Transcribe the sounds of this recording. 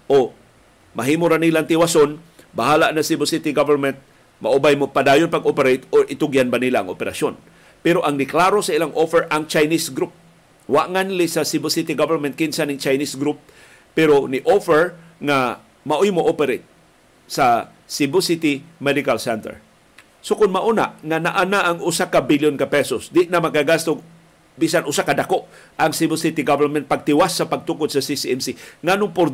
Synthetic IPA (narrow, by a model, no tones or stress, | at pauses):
ʔo | mɐɦimoɾanilaŋt̪ɪwason | bahaːlaʔnasibɪsit̪iɡavɛɹmɛnt̪̚ | maʔubajmopad̪aːjʊnpaɡʔopɛɾejt̪oʔɪt̪ʊɡjanbanilaʔɐŋopɛɾa̰ʃjon | pɛɾoʔaŋnɪklaːɾosɐʔɪlaŋʔofɛɹʔaŋt͡ʃajnisɡɾup̚ | waʔŋanlɪsɐsibʊsit̪iɡavɛɾmɛnt̪̚kɪnsanɪŋt͡ʃajnisɡɾupː | ɛɾonɪʔofɛɹŋa | maʔʊjmoʔopɛɾet̪̚ | sa | sibəsit̪imɛd̪ɪkalsɛnt̪ɛ̰ɹ | sokʊnmaʔuna̰ʔŋanaʔanaʔːŋʊsakabiljonkapɛsosd̪ɪʔnamakaɡast̪ʊɡ | bisanʊsakad̪akoʔ | ʔaŋsibɛsit̪iɡavɛɾmɛ̃nt̪̚paɡ̚t̪ɪwasːapaɡ̚t̪ukʊd̪sasisiɛmsiŋanʊŋpʊɾ